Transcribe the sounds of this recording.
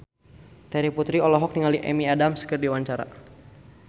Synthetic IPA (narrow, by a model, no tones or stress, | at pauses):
t̪ɛɾiput̪ɾiɔlɔɦɔk̚niŋaliʔɛ̰miadamsə̥kərdiwaɲt͡ʃaɾa̰